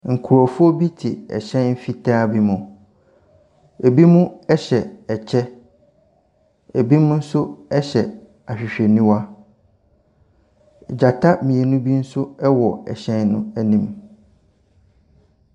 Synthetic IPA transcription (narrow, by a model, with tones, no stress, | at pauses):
ŋ̩˨kʰu˨ɔ˨fʊ˦ɔ˦bi˦tʰɪ˨ɛ̰˨ɕɛ̃˦nm̩˦fi˦tʰaː˦bi˦mʊ̃˨ | e˨bi˦mũ˦ɛ˦ɕɛ˨ɛ˨t͡ɕʰɛ˦ | e˨bi˦mʊ̃˦n̩˦sʊ˦ɛ˦ɕɛ˨ | a˨ɕᶣɪ˨ɕᶣɛ˨nĩ˦wa˦˨ | d͡ʑa˨tʰa˦mĩ˨ɛ˨nʊ̃˦bi˦n̩˦sʊ˦ɛ˦wɔ˨ɛ̰˨ɕɛ̃˦nnʊ̃˦æ˦nĩ˨m